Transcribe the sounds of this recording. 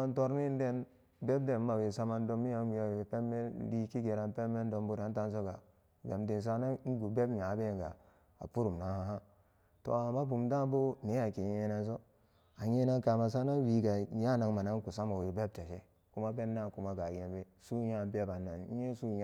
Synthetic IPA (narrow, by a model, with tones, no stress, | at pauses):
a˦n˦to˦ɾni˦n˦de˦n | be˦b̚de˨n˦ba˨we˨sa˦ma˦n˦do˦mi˦ja˦wi˨˦a˨wpe˦mbe˦di˦ki˦ɡe˨ɾa˨pe˦mbe˦n˦do˨mbo˦da˨n˦ta˦n˦s̬o˦ɡa˨˦ | ɡa˨mdi˨n˨s̬a˦na˦ŋ̩˦ɡu˨be˦bɲa˨˦be˦˨ɡa̰˨ | a̰˨pu˦ɾu˨mna˨ha˨ɦa˦ | to̰˨a˨ma˦bu˨mda˦bo˦ne˨˦a˨ki˨ɲe˦na˦ns̬o˦ | a˨ɲe˦na˦ka˨ma˨s̬a˦na˦wi˦ɡa˨ja˦na˨ŋma˨na˦ŋ˦ku˨sa˦ma˨we˨be˦b̚te˨ʃe˦ | ku˦ma˦pe˦nːa˦˨ku˨ma˦ɡa˨ɡe˨mbe˦ | su˦ɲa˦˨˦pi˦a˦˨ba˨nːa˨n˦e˦su˦ɲa˦